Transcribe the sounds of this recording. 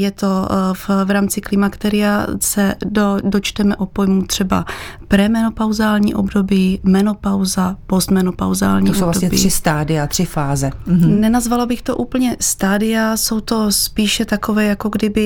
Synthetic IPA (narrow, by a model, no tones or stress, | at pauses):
jɛt̪o̞fvɾaːmt͡sɪklɪmakt̪ɛɾɪasɛdodo̞t͡ʃt̪ɛmɛʔopo̞jmut̪r̥ɛba̰pɾɛmɛnopawzaːlɲḭːʔo̞bdo̞biːmɛnopawzapost̪mɛnopa̰wza̰ːlɲiːosowbvladoɲɛirːɪst̪aːdɪat̪r̝̥ɪfaːzɛnɛnazvalobɪxt̪o̞ʔuːpl̩ɲɛst̪aːdɪaso̞wt̪o̞spiːʃɛt̪akovɛːjako̞ɡdɪbɪ